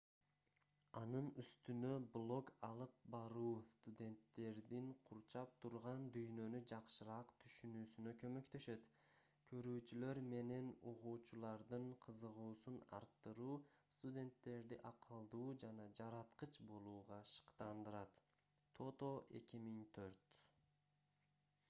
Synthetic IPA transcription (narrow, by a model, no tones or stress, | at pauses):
ɑnɯnyst̪ynø̞blˠo̞kɑlˠɯp̚bɑɾuːst̪ud̪ʲe̞nt̪ːe̞ɾd̪iɴqʰuɾt͡ʃɑp̚t̪ʰuɾʁɑnd̪yjnø̞nyd͡ʒɑqʃɯɾɑqt̪ʰyʃynyːsynø̞kø̞mø̞kt̪ø̞ʃø̞t̪ | kʰø̞ɾyːt͡ʃylø̞ɾme̞ne̞noʁuːt͡ʃulˠɑɾd̪ɯɴqʰɯzɯʁuːsunɑ̰ɾt̪ːɯɾuːst̪udʲe̞nt̪ːe̞ɾd̪iʔɑqʰɯlˠd̪uːd͡ʒɑnɑd͡ʒɑɾɑt̪qɯt͡ʃbo̞lˠuːʁɑʃɯ̥qt̪ɑnd̪ɯɾɑt̪ːʰ | o̞t̪o̞ʔe̞kʲimiŋt̪ʰø̞ɾt̪